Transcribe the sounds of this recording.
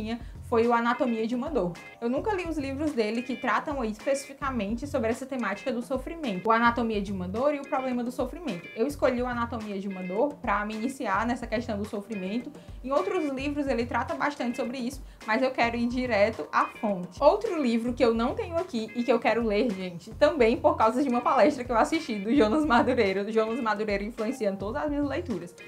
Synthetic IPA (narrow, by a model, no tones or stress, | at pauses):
ĩɲɐfojʊanat̪omiɐd͡ʒɪũmɐd̪oɾ | ewnũkɐliʊzlivɾʊzd̪elɪkɪt̪ɾat̪ɐ̃w̃aiispesi̥fikamẽnt͡ʃɪsobɾɪɛsɐt̪emat͡ʃi̥kɐd̪ʊsofɾimẽnt̪ʊanat̪omiɐd͡ʒɪũmɐd̪oɾiʊpɾɔblẽmɐd̪ʊsofɾimẽnt̪ʊ̥ewɪskoʎiuanat̪omiɐd͡ʒɪũmɐd̪oɾpɾɐmiːnisiaɾnɛsɐkɛʃt̪ɐ̃w̃d̪ʊsofɾimẽnt̪ʊ | ẽj̃owt̪ɾʊzlivɾʊzelɪt̪ɾat̪ɐbaʃt̪ɐ̃nt͡ʃɪsobɾɪisʊ̥ | mɐzewkɛɾʊiɾd͡ʒiɾɛt̪ʊʔafõnt͡ʃɪ̥owt̪ɾʊlivɾʊkɪewnɐ̃w̃t̪ẽɲʊakiːkɪewkɛɾʊleɾʒẽnt͡ʃɪt̪ɐ̃bẽj̃poɾkawzɐd͡ʒɪũmɐpalɛʃt̪ɾɐkɪewasiʃt͡ʃid̪ʊʒonɐzmaɾd̪uɾejɾʊʒonɐzmaɾd̪uɾejɾʊĩfluẽsiɐ̃d̪ʊt̪od̪ɐzɐzmĩɲɐzlejt̪uɾɐs